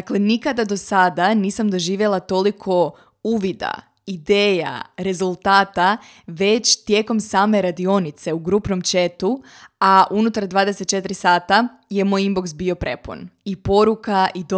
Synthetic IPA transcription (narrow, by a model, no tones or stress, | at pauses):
aklenikad̪ad̪o̞sad̪aniːsamd̪o̞ʒiːʋje̞lˠat̪o̞likʰo̞ | uʋid̪a̰ | id̪eːja̰ɾe̞zulˠt̪aːt̪a | ʋe̞t͡ɕt̪je̞ːko̞msaːme̞ɾad̪io̞nit̪se̞uɡɾuːpnomt͡ɕe̞t̪u | aʔunut̪aɾd̪ʋaːd̪eset̪̚t͡ʃe̞t̪ɾisaːt̪a | je̞mo̞jimboksbio̞pɾe̞pṵnipo̞ɾukaʔid̪